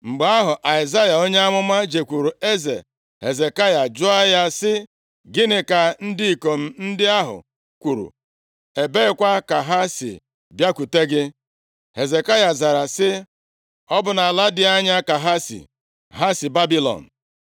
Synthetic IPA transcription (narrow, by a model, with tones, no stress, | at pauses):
ŋ͡m̩˨ɡ͡ba˦ɦʊ˨ʔa˨ɪ˨za˦ja˨o˦ɲe˦a˦ŋʷʊ˦ma˦d͡ʒe˨kʷu˨ɾu˨e˦zḛ˨ | ɦe˨ze˨ka˦ja˨d͡ʒʊ˦a˦ja˦sɪ˦ | ɡɪ˦nɪ˨ka˨n̩˦dɪ˦i˨ko˨m̩˦˨n̩˦dɪ˦a˦ɦʊ̰˨ | kʷu˨ɾṵ˨ | e˨be˦ɪ˦kʷa˦ka˨ɦa˦sɪ̰˨ | bja˦ku˨te˦ɡɪ˦ | he˨ze˨ka˦ja˨za˨ɾa˨sɪ˦ | ɔ˦bʊ˨na˨la˦dɪ˦a˦ɲa˦ka˨ɦa˦sḭ˨ | ɦa˦sɪ˨ba˦bi˦lɔ̰˨n̩˨